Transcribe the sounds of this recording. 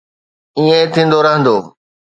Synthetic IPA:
iːẽt̪ʰĩːn̆d̪oɾɐɦə̃nd̪oː

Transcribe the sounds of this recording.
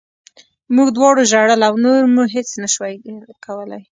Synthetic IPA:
muɡd̪wɑɽoʒaɽəlawnoɾmuɦet͡snaʃwajkʰawəla̰j

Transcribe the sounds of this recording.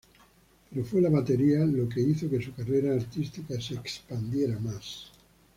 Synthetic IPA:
peɾofwelaβat̪eɾialokeiθokesukareɾaːɾt̪ist̪ikaseːkspand̪jeɾamas

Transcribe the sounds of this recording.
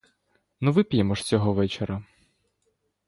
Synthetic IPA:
nuʋɪpʲjemɔʃt͡sʲɔɦɔʋɛt͡ʃeɾɐ

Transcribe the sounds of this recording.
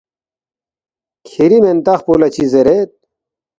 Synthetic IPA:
kʰiɾiment̪aχpolɐt͡ɕʰizeɾet̪̚

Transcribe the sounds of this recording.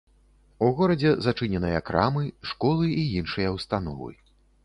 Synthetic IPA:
uɣɔɾɐd͡zʲɛzat͡ʂɨnʲɛnɨjɐkɾa̰mɨʂkɔlˠɨiinʂɨjɐwst̪anɔ̰vɨ̰

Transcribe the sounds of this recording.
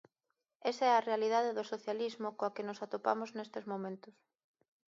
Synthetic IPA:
esaɛɐrealiðaðeðʊsoθjalizmʊkõakenʊsat̪opa̰mʊznest̪ezmõmẽnt̪ʊs

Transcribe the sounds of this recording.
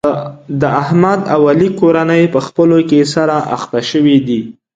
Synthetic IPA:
d̪əahmad̪awalikoɾanəjpəxpəlokesaɾaʔa̰xt̪aʃəwid̪i

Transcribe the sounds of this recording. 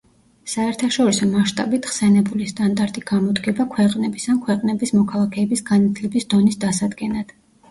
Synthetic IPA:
saɛɾt̪ʰaʃɔɾisɔmaʃt̪ʼabit̪ʰχsɛnɛbulist̪ʼand̪aɾt̪ʼiɡamɔd̪ɡɛbakʰwɛqʼnɛbisankʰwɛqʼnɛbismɔkʰalˠakʰɛːbisɡanat̪ʰlɛbisd̪ɔnisd̪asad̪ɡɛnad̪̥

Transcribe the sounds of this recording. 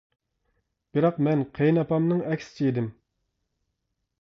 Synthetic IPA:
b̥ɪɾɑqmɛnqʰejnɑpɑmnɨŋɛkʲsɪ̥t͡ʃʰiid̪ɪm

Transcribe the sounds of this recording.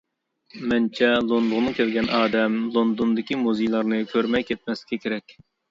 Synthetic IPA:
mɛnt͡ʃʰɛlˠonlˠʊʁnɨkʲʰɛlɡʲɛnɑːd̪ɛmlˠond̪ond̪ɪkʲimuzɨjlˠɑɾnɨkʲʰøɾmɛjkʲʰɛt̪̚mɛslɪ̥kʲʰɛkʲʰeɾɛkʲ

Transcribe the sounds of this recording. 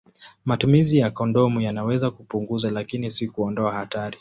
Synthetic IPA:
matumizijakɔndɔmujanawɛzakupuŋɡuzalakinisikuɔndɔahataɾi

